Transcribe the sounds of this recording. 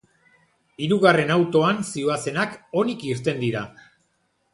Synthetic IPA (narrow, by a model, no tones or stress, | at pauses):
iɾuɣare̞nawt̪o̞ansioase̞nako̞nikist̪e̞nd̪iɾa